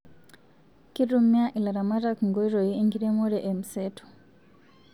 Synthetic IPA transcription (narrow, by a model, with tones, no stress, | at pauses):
ki˦ɾu˦mja˦ʔi˨la˨ɾa˨ma˦ɾa˦kŋɡo˦i˦ɾo˨ji˦e˦ŋɡi˦ɾe˦mo˦ɾeʔe˨mi˨setʰo̥˨